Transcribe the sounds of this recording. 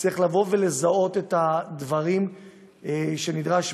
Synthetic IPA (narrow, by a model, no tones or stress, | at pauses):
t͡siχlavo̞vele̞zao̞t̪e̞tad̪vaʁim | ʃe̞nid̪ʁaʃ